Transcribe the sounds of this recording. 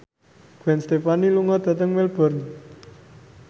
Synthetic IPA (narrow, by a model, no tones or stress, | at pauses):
ɡ̥wɛnst̪epaniluŋɔd̪̥ä̤t̪əŋmelb̥ɔ̤rn